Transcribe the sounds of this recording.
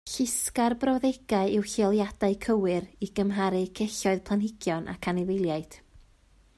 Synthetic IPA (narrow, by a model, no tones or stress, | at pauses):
ɬɪskarbrɔwðeɡ̥aɨɪwɬɪɔlˠjad̥aɨkʰəwɨɾiɡəmɦaɾɨkʰeɬɔɨðpʰlˠanhɪɡ̥jɔnʔa̰kʰanɪðɪlˠjaɨd̥